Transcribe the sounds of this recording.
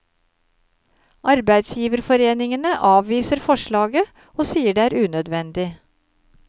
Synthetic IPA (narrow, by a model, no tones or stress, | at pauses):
ʔɑɾbæɪd̪sjiːʋəɾfɔɾeːnɪŋənəʔɑːʋʋiːsəɾfɔʃɭɑːɡə | oːsiːəɖeːæːɾʉːnœd̪ʋɛnd̪ɪ